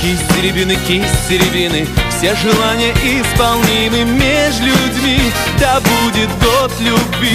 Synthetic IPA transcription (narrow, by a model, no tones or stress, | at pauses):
kʲisʲdʲɪɾʲɪbʲinɨkʲisʲɪɾʲɪvʲinɨfsʲeʐɨlˠanʲɪjəʔɪspɐlˠnʲimɨmʲeʐlʲʊdʲmʲi | d̪abudʲɪt̪ɡot̪lʲʊbʲvʲi